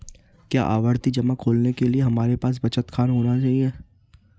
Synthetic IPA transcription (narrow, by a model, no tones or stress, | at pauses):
kja̰ːʔa̰ːʋəɾt̪id͡ʒɐmakʰoːlnekelieɦɐmaːɾepaːs̬bɐt͡ʃət̪kʰaːnɦoːnat͡ʃaːɦieː